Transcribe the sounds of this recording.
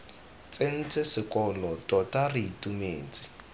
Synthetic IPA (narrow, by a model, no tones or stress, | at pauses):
t͡sʼen̩t͡sʼɪsɪkʼɔlɔtʼɔtʼariitʼumeːt͡sʼi̥